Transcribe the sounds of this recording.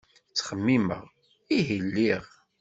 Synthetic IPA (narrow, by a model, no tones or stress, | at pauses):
t͡sːχəmːimə̰ʁ | iɦilːiʁ